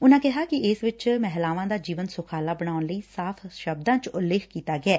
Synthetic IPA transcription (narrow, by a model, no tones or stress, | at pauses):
ʊnãːkɪɦaːkɪɪsʋɪt͡ʃmɛɦlaːʋãːd̪aːd͡ʒiːʋənsʊkʰaːlaːbəɽ̃aːʊnləiːsaːpʰʃəb̚d̪ãːt͡ʃʊlːɪːkʰkiːt̪aːɡɪɛː